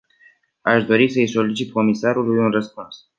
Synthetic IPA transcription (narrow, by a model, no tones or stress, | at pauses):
aʃd̪o̞ɾisəjso̞lit͡ʃit̪̚ko̞misaɾulujunrəspuns